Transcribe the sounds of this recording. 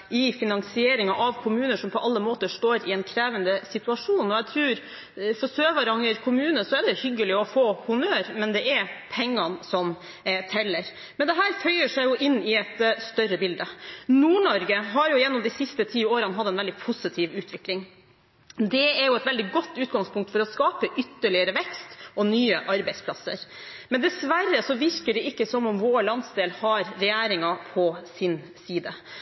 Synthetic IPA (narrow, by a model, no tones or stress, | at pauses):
ɪfɪnɑŋsɪeːɾɪŋɑʔɑʋkʰʊmʉːnəʂɔmpʰɔʔɑlːəmoːt̪əʂt̪oːɾɪɛnkʰɾeːʋənd̪əsɪt̪ʉɑʂuːnɔɛt̪ʰɾʉːɾ | fɔsøːʋɑɾɑŋəɾkʰʊmʉːnəsɔɛɖ̪ɛhʏɡːəlɪɔfoːhʊmøːɾmɛnd̪ɛʔɛɾpʰɛŋːɑnsɔm | t̪ʰɛlːəɾ | mɛnd̪ɛɦæːɾfœʏəʂɛɪjʊʔɪnːɪɛt̪st̪œrəbɪld̪ənuːɳɔɾɡəɦɑɾjʊjɛnːɔmd̪ɪsɪst̪ət̪ʰiːoːɾənɦɑd̪ːɛnʋɛld̪ɪpʰʊsɪt̪ʰiːʋʉːt̪ʰʋɪklɪŋ | d̪ɛɛɾjʊɛt̪ʋɛld̪ɪɡɔt̪ːʉːt̪ɡɑŋspʰʊŋk̚t̪fɔɾɔskɑːpəʔʏt̪ːəɭɪəɾəʋɛkst̪ɔnyːəʔɑɾbɛɪt̪spʰlɑsːə̰ɾmɛnd̪ɛsʋærːəsɔʋɪɾkəɖɛʔɪkːəsɔmɔmʋoːɭɑnsd̪eːlhɑɾɾɛjeːɾɪŋɑpʰɔsɪnsiːd̪ə